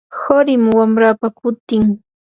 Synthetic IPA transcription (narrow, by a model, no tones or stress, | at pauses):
hoɾɪmwamɾaːpakʊt̪ɪŋ